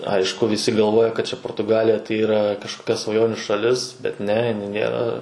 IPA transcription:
ˈɐɪʃkʊ ʋʲɪˈsʲɪ ɡɐlˠˈʋoːjɛ kɐt t͡ʃʲɛ poːrtʊˈɡɑːlʲɪjɛ tɐɪ iːˈrɐ kɐʃkoːˈkʲɛ sʋɐˈjoːnʲuː ʃɐˈlʲɪs ˈbʲɛt ˈnʲɛ ɪˈnɐɪ ˈnʲeːrɐ

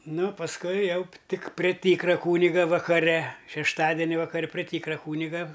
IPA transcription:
ˈnʊ pɐsˈkʊɪ ˈjɛʊ p ˈtʲɪk pʲrʲeː ˈtʲiːkrɐ ˈkuːnʲɪɡɐ ʋɐkɐˈrʲɛ ʃʲɛʃˈtɑːdʲɛnʲɪ ʋɐkɐˈrʲɛ pʲrʲeː ˈtʲiːkrɐ ˈkuːnʲɪɡɐ

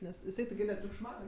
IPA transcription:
ˈnʲɛs jɪˈsɐɪ tʲɪɡʲɪ nʲɛtʲrʲʊkʃˈmɐʊj

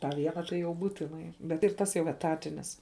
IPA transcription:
tɑː ˈʋʲiɛnɑː tɐɪ jɛʊ ˈbuːtʲɪnɐɪ ˈbʲɛt ɪr ˈtɐs jɛʊ ɛˈtɑːtʲɪnʲɪs

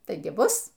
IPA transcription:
ˈtɐɪɡʲɪ ˈbʊs

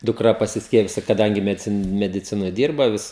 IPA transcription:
dʊkˈrɐ pɐsʲɪsʲˈkʲiɛpʲɪjʊs kɐˈdɐŋʲɡʲɪ mʲɛdʲɪˈt͡sʲɪn mʲɛdʲɪˈt͡sʲɪnoːj ˈdʲiːrbɐ ʋʲɪs

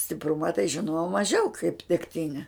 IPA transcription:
sʲtʲɪpˈrʊmɐ tɐɪ ʒʲɪˈnoːjɛʊ mɐˈʒʲɛʊ kɐɪp dʲɛkˈtʲɪnʲɛ

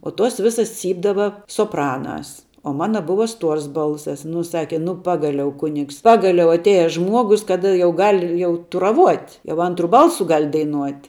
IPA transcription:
oː tuɔs ˈʋʲɪsɐs ˈt͡sʲiːbdɐʋɐ soːˈprɑːnɑːs oː ˈmɑːnɐ ˈbʊʋɐ ˈstuɔrs ˈbɐlˠsɐs nʊ ˈsɑːkʲɛ ˈnʊ ˈpɑːɡɐlʲɛʊ ˈkʊnʲɪks ˈpɑːɡɐlʲɛʊ ɐtʲˈeːjɛ ˈʒmuɔɡʊs ˈkɑːdɐ jɛʊ ˈɡɐlʲ ˈjɛʊ tʊrɐˈʋuɔtʲ jɛʊ ˈɐntrʊ ˈbɐlˠsʊ ˈɡɐlʲ dɐɪˈnuɔtʲ

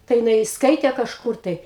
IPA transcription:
tɐɪ jɪˈnɐɪ ˈskɐɪtʲeː kɐʃˈkʊr tɐɪ

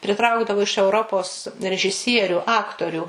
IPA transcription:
pʲrʲɪˈtrɐʊɡdɐʋʊ ɪʃ ɛʊˈroːpoːs rʲɛʒʲɪˈsʲiɛrʲʊ ˈɑːktoːrʲʊ

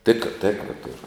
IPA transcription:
ˈtʲeːk ˈtʲeːkrɐ ˈtʊrʊ

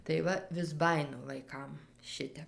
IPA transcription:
tɐɪ ˈʋɐ ʋʲɪs ˈbɑːjɪnʊ ʋɐɪˈkɐm ˈʃʲɪtʲɛp

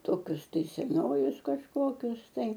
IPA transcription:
ˈtoːkʲʊs tɐɪ sʲɛˈnoːjʊs kɐʃˈkoːkʲʊs tɐɪ

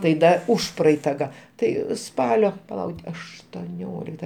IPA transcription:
tɐɪ ˈdɐ ˈʊʃprɐɛɪtɐ ɡɐ ˈtɐɪ ˈspɑːlʲoː pɐˈlˠɐʊ ɐʃtoːˈnʲoːlʲɪktɐ

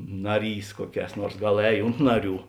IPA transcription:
ˈnɑːˌrʲiːs ˈkuɔˌkʲɛːs ˈnuɔrs ˈɡɐlˠ ˈɛːj ˈʊnt nɐˌrʲuː

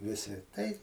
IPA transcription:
ˈʋʲɪsʲɪ tɐɪ

